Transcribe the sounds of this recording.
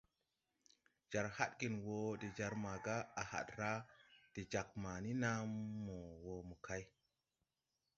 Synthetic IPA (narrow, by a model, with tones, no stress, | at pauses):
d͡ʒa˨ɾha˦ɗ̚ɡi˨nwo˨˦de˨d͡ʒa˨ɾma˨ɡa˦a˨ha̰˨tɾa˦d̥e˨d͡ʒa˨k̚ma˨ni˦na˦mːo˨wo˨mo˨kʰa˦j